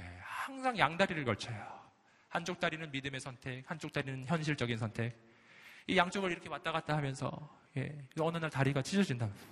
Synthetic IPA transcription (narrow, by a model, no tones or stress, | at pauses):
jehaŋsʰaŋjaŋdaɾiɾɯɭkʌɭt͡ɕʰʌjo | hant͡ɕ͈ok̚t͈aɾinɯnmidɯme̞sʰʌntʰe̞k̚hant͡ɕ͈ok̚t͈aɾinɯnçjʌnɕ̬ʰiɭt͡ɕ͈ʌɡins̬ʰʌntʰe̞k̚ | ijaŋt͡ɕ͈oɡɯɾiɾʌkʰemat̚t͈aɣat̚t͈aɦamjʌnsʰʌ̰ | je̞̰ɯʌnɯnaɭtaɾiɡat͡ɕʰid͡ʑʌd͡ʑindaɦmjnsʰʌ